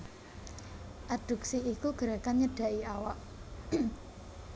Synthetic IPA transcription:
ʔad̪̥ṳksiikuɡ̥əɾakanɲədɖ̥ä̤ʔiawaʔ

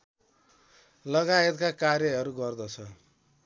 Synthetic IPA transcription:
lʌɡaet̪kakarjʌɦʌɾuɡʌrd̪ʌt͡sʰʌ

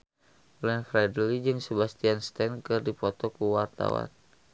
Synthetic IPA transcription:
lɛnfɾadəlid͡ʒɨŋsəbast̪ianst̪ɛnkɨrdipɔt̪ɔkuwart̪a̰wa̰n

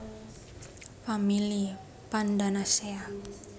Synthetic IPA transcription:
famili | pandanasea

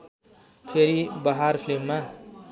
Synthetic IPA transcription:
pʰeɾibʌɦaɾpʰlemːa

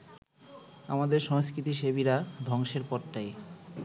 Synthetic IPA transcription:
amad̪eɾʃɔŋskɾit̪iʃeβiɾad̪ʱɔŋʃeɾpɔɾʈaj

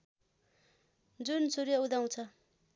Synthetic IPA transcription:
d͡zunsuɾjud̪aw̃t͡sʰʌ

